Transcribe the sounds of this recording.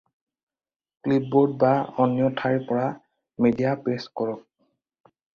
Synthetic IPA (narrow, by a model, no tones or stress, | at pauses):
klip̚bɔɹd̚baɔnjɔtʰaɹpɔɹa | medijapeskɔɹɔk̚